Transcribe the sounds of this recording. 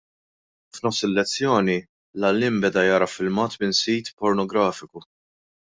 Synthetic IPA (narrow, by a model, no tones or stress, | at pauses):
fnɔfsɪlːɛt͡sːjɔːni | lɐlːɪmbɛd̪ɐjɐːɾɐfɪlmɐːt̪mɪnsiːt̪pɔɾnɔɡɾɐːfɪku